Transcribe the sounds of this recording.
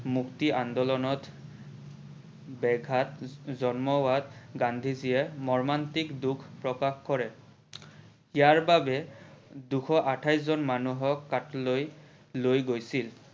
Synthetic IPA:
muktiʔandɔlɔnɔt | bɛɡʱatzɔnmɔwatɡandʱizijɛmɔɹmantikdukʰpɹɔkaxkɔɹɛ | ijaɹbabɛduxʰɔʔatʰajszɔnmanuɦɔkːatloj | lojɡojsil

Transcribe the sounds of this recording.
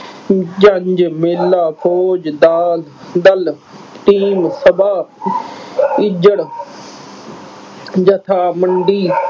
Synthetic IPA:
d͡ʒəɲd͡ʒmelːaːpʰoːd͡ʒd̪aːld̪əl | ʈiːmsəbaː | ɪd͡ʒəɽ | d͡ʒət̪ʰaːməɳɖiː

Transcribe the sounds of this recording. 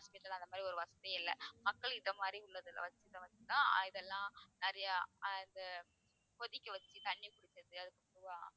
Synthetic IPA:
haːspɪʈːɐlãɐnd̪ɐmad̪ɾiɔɾɯʋɐsɐðɐɪlːɛ̰mɐkːɐɭɪnðɐmaːd̪ɾiʊɭːɐðɯlɐ̰ʋɐt͡ʃːɯt̪ɐ̃ːʋɐt͡ʃːɯt̪ãːɪðɛlːãːnɐɾɐjɐɪnd̪ɐ | pɔðɪkʲːɐʋɐt͡ʃːit̪ɐɳːjɐkʊɽɪt͡ʃ̪ːɐðɯɐðɯkːɯpʊɾɯʋɐ̃

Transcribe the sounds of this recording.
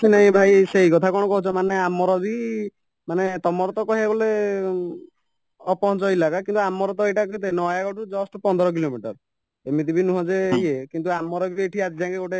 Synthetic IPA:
sʰinaɦĩbʱajseɦikɔt̪ʰakɔɽ̃ɔkɔɦut͡ʃʰɔmaneamɔɾɔbi | manet̪ɔmɔɾɔt̪ɔkɔɦebɔle | ɔpɔɦɔnt͡ʃɔilakakint̪uamːɔɾɔt̪ɔejʈakɔit̪enɔjaɡɔʈud͡ʒɔsʈpɔnd̪ʱɔɾɔk̬ilomiʈɔɾ | emit̪ibʱinũɦɔ̃d͡ʒeɦiekint̪uamːɔɾɔbieʈʰiad͡ʒid͡ʒaŋkeɡoʈe

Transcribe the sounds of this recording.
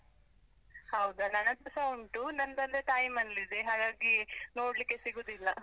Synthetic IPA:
hɐwd̪unɐnɐt̪ɐsɐwuɳʈunɐnd̪ɐnd̪eʈɐjmɐnlid̪eɦaːɡaːɡinoːɽlikːesiɡoːd̪ilːɐ

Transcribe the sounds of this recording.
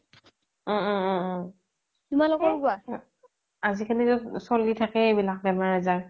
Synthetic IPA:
ɔ̃ɔ̃ɔ̃ɔ̃ | tumalɔkɔlɡuwa | azikʰanitʊsɔlitʰakɛebilak̚bɛmaɹɛzaɹ

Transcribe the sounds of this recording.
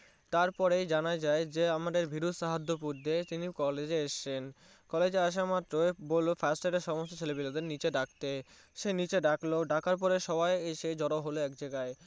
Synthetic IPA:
t̪aɾpɔɾejd͡ʑanad͡ʑaed͡ʑeamad̪eɾbʱiɾud̪ʃaɦad̪ʱːop̬uɾd̪ʱet̪inikɔled͡ʑeeʃt͡ɕen | kɔled͡ʑeaʃ̬amat̪ːɾoebolofʰasʈaɾeɾʃɔmost̪ot͡ɕʰelebilod̪eɾnit͡ɕeɖak̚t̪e | ʃenit͡ɕeɖakloɖakaɾp̬ɔɾeʃɔbajeʃed͡ʑɔɾoɦoloɛkd͡ʑaɡae

